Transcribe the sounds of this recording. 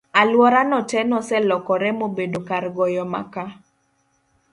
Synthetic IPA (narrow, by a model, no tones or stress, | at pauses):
alwɔɾanɔtɛnɔsɛlɔkɔɾɛmobedokaɾɡɔjɔma̰ka